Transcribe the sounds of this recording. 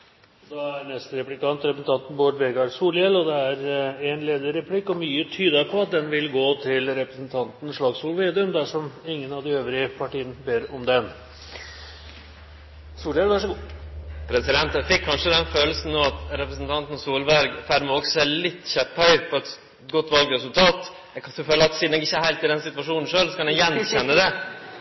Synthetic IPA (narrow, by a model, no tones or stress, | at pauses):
d̪ɑæɾnɛst̪əɾɛplɪkɑnt̪ɾɛpɾəsn̩t̪ʰɑnt̪n̩boːɖʋɛɡɑɾsuːljɛlːɔd̪ɛæɾɛnleːd̪əɾɛpʰlɪkːɔmyːət̪ʰyːd̪ɑɾpʰɔɑt̪̚d̪ɛnʋɪlɡoːt̪ʰɪlɾɛpɾəsn̩t̪ʰɑnt̪n̩ʂɭɑːɡsuːlʋeːd̪əmd̪æʂɔmɪŋːənɑʋd̪ɪøːʋɾɪəpʰɑʈiːənəbeːɾɔmd̪ɛn | suːlɖ̪elʋæʂɔ | pʰɾɛsɪd̪ɛnt̪ɛfɪkʰːɑnʂəd̪ɛnføːl̩sn̩noːɑt̪ɾɛpɾəsn̩t̪ʰɑnt̪n̩suːlʋæɾɡfæɾməɔksɛlɪt̪ːçɛphœʏpʰɔɛt̪ | ɡɔt̪ːʋɑlɡɾɛsʉlt̪ʰɑːt̪ | ɛkʰɑʉføːləɑt̪siːd̪nɛɡɪçːəhæɪlt̪ɪd̪ɛnsɪt̪ʋɑʂuːnn̩ʂøːlsɔkʰɑnjɛjɛnːçɛnːəd̪ɛ